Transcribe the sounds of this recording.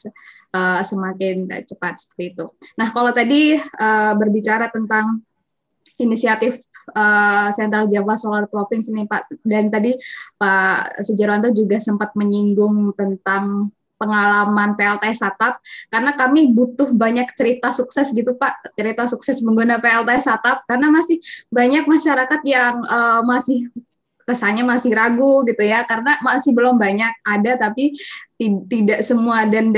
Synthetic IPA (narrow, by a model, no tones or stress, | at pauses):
ʔəsəmakɪn̰t͡ʃəpat̪̚sə̥pərt̪iːt̪unahkalawt̪adiəːbərbit͡ʃaɾat̪ənt̪aŋ | inisiat̪ɪfəsɛnt̪ɾald͡ʒabasolart̪ɾopɪŋsənipaʔdant̪adipasəd͡ʒaɾwant̪ad͡ʒuɡasəmpat̪̚məɲiŋɡʊŋt̪ənt̪aŋ | pəŋalamanpeɛlt̪asat̪ap̚kaɾənakamibut̪ʊhbaɲak̚t͡ʃəɾit̪asuksɛsɡit̪upaʔt͡ʃəɾit̪asuksɛsməŋɡunapeɛlt̪asat̪ap̚karənamasɪhbaɲak̚maʃaɾakat̪̚jaŋəmasɪh | kəsaɲamasɪhɾaɡuɡit̪ujakarənamasɪhbəlɔmbaɲak̚adat̪apit̪it̪idaʔsəmuadan